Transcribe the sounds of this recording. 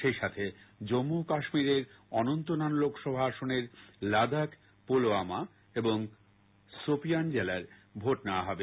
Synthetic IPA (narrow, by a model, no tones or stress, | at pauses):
ʃejʃat̪ʰed͡ʑomːukaʃmiɾeɾ | ɔnont̪onanlokʰʃɔbʱaaʃoneɾlad̪ʱak | poloama | eboŋ | sopijand͡ʑelaeɾbʱoʈnawaɦɔbe